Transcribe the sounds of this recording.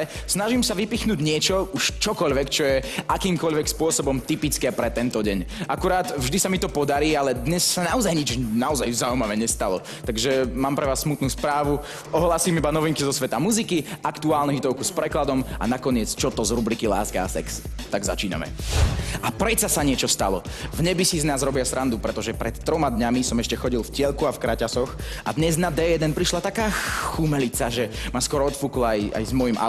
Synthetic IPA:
ɛsnaʒimsaʋipixnuːɟɲɪɛt͡ʃɔuʃt͡ʃɔkɔʎʋɛkt͡ʃɔjɛʔakiːmkɔʎʋɛkspʊɔsɔbɔmt̪ipit͡skɛːpɾɛt̪ɛnt̪ɔɟɛɲʔakuɾaːt̪vʒd̪isamit̪ɔpɔd̪aɾiːalɛd̪ɲɛsːanaɔzajɲid͡ʒnaɔzajzaumaʋɛɲɛst̪alɔ | t̪aɡʒɛmaːmpɾɛʋaːsːmut̪nuːspɾaːʋu | ɔɦlaːsiːmibanɔʋiŋkizɔsʋɛt̪amuzikiakt̪uaːlnuɦit̪ɔʊkuspɾɛklad̪ɔma̰nakɔɲɪɛt͡st͡ʃɔt̪ɔzɾubɾikila̰ːskaasɛkst̪aɡza̰t͡ʃiːna̰mɛ̰ | apɾɛt̪sasaɲɪɛt͡ʃɔst̪alɔ̰vɲɛbisiznaːzɾɔbɪasɾʔand̪upɾɛt̪ɔʒɛpɾɛt̪ːɾɔmad̪ɲamisɔmɛʃcɛxɔɟilˠfcɪɛlkuafkɾacasɔxa̰d̪ɲɛznad̪ɛːjɛd̪ɛnpɾiʃlat̪akaːxumɛlit͡saʒɛmaskwɔɾɔɔt̪fuklɔaja̰jzmɔjimʔa̰

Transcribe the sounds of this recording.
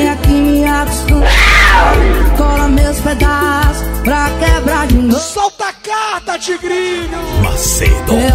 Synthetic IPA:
j̃akiniaksũ | kɔlɐmesped̪asʊ̥pɾɐkɛbɾaʒĩd̪sɔwt̪ɐkaɾt̪ɐt͡ʃiɡɾiɲɐma̰sḛd̪e

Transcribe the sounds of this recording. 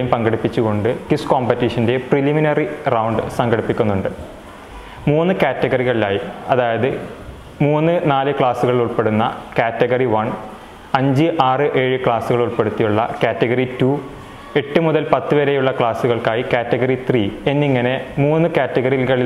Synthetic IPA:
jumpɐŋɡɐɽipːit͡ɕːuɣo̞ɳɖɨkiskoːmpɐtːiʂɐndepriliminɐrirɐwɳɖɨsɐŋɡɐɽipːikʲːunːuɳɖɨ | muːnːɨkaːtːeɣɐriɣɐɭilaːjiɐðaːjɐðɨ | muːnːɨnaːlɨkɭaːsuɣɐɭiluɭpe̞ɽunːɐ̰kaːtːɐɣɐriʋɐɳ | ɐɲd͡ʑɨʔaːrɨʔe̞ːɻɨkɭaːsuɣɐɭuɭpe̞ɽut̪ːijuɭːɐkaːtːeɣɐritu | e̞ʈːɨmuðɐlpɐt̪ːɨʋeɾejuɭːɐkɭaːsuɣɐɭkaːjikaːtːeɣɐrit̪riːenːiŋːɐne̞muːnːɨkaːtːɐɣɐriɣɐɭi

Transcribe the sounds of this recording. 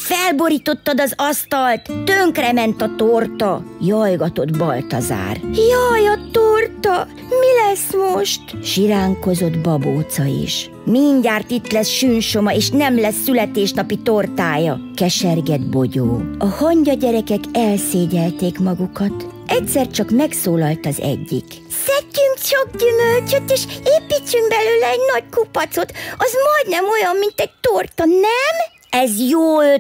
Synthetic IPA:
fɛlbo̞ɾiːt̪o̞t̪ːɒd̪ɒzɒst̪ɒlt̪ːøŋkrɛmɛnt̪ɒt̪ort̪ɒjɒjɡɒt̪o̞d̪bɒlt̪ɒza̰ːrjɒjɒt̪ort̪ɒ | milɛsmoʃt̪ʃiɾaːŋko̞zo̞d̪bɒboːt̪sɒḭʃ | miɲɟaːrt̪it̪lɛsʃynʃo̞mɒeːʃnɛmlɛsːylɛt̪eːʃnɒpit̪ort̪aːjɒkɛʃɛrɡɛd̪bo̞ɟo̰ːɒhɒɲɟɒɟɛɾɛkɛkɛlseːɟɛlt̪eːkmɒɡukɒt̪ʔɛcsɛrt͡ʃɒkmɛksoːlɒlt̪ɒzɛ̰ɟːḭk | sɛcːyŋkt͡ʃɒɡ̚ɟymølt͡ʃøt̪eːʃeːpit͡ʃːyŋɡbɛløːlɛɛɟnɒɟkupɒt̪so̞t̪ɒzmɒjd̪nɛmo̞jɒmːint̪ɛɟ̚t̪ort̪ɒnɛm | ɛzjoːl

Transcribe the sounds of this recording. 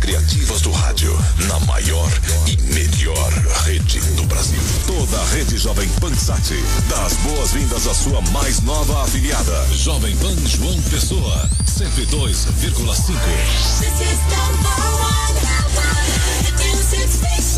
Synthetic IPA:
kɾia̰t͡ʃivɐzd̪ʊha̰d͡ʒjʊ̰nɐ̰ma̰jɔɾ | ɪmeʎ | ɔɾhed͡ʒɪ̰d̪ʊbɾa̰zḭwt̪od̪ɐɐʁed͡ʒɪʒɔvẽj̃pɐ̃sat͡ʃɪ | d̪ɐzboɐzvĩnd̪ɐzɐsuɐmajznɔvɐafiliad̪ɐ | ʒɔvẽj̃vɐ̃w̃ʒuɐ̃w̃pesoɐ | sẽnt̪ʊid̪ojz | viɾɡulɐsĩŋkʊ

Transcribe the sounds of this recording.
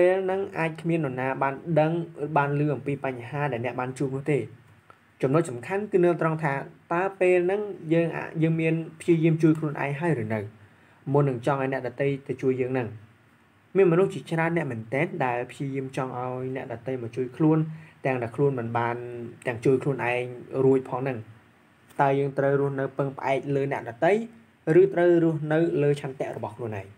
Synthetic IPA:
peːlnɨŋʔaːc̚kʰmiənɗɔnaːɓaːnɗəŋɓaːnlɨːʔɑmpiːpaɲːɦaːɗaɛlnɛ̆əʔɓaːnt͡ɕuəp̚nʊ̆əht̪eː | t͡ɕɑmnʊc̚sɑmkʰankɨːnɨːt̪rəŋt̪ʰaːt̪aəpeːlnɨŋjəːŋʔa̰jəːŋmiənpʰjiəjiəmt͡ɕuəjkʰluənʔa̰ɛŋɦaəjrɨːnɨw | mʊnːɨŋt͡ɕɑŋʔaɔnɛ̆əʔɗɔt̪əjt̪ɨt͡ɕuəjːəːŋnɨŋ | miənmɔnuht͡ɕiət͡ɕraənːɛ̆əʔmɛənt̪ɛːnɗaɛlpʰjiəjiəmt͡ɕɑŋʔaɔjnɛ̆əʔɗɑt̪əjmɔːt͡ɕuəjkʰluənt̪ɛ̆əŋɗaɛlkʰluənmɨnɓaːnt̪ɛ̆əŋt͡ɕuəjkʰluənʔaɛŋruəc̚pʰɑːŋnɨŋ | t̪aəjəːŋt̪rəwruəhnɨwpɨŋpə̆ʔaɛk̚ləːnɛ̆əʔɗɑt̪ɨj | rɨːt̪rəwrʊ̆əhnɨwləːt͡ɕʰant̪ɛ̆əʔrɔɓɑhkʰluənʔa̰ɛŋ

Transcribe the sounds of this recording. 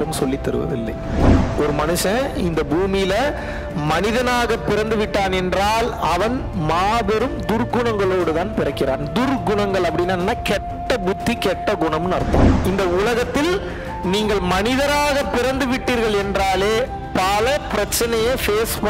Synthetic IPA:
ɾɯmsɔlːit̪ːɐɾɯ̰ʋɐ̰ʋɪ̰lːɐ̰ɪɔɾɯmɐnɯʂɐ̃ɪnd̪ɐbuːmɪjɪlɐ | mɐnɪðɐnaːɣɐpːɪɾɐnd̪ɯʋɪʈːaːnɛndraːlɐʋɐn | maːðɐɾɯmd̪ʊɾɡʊɳɐŋɡɐɭoːɽɯðaːnpɪɾɐkːɪɾa̰ːnd̪ʊrɡʊɳɐŋɡɐɭɐpːɐɽɪnːaːnːaːkɛʈʈːɐbʊt̪ːikɛʈːɐɡʊɳɐmɯnɐɾɯt̪ːɐ̰ːmɪnd̪ɐʊlɐɣɐt̪ːɪl | niːŋɡɐɭmɐnɪðɐɾaːɣɐpːɪɾɐnd̪ɯʋɪʈːiːɾɣɐɭɛndraːleː | pɐlɐpɪɾɐt͡ʃːɐnɐjefeːsp

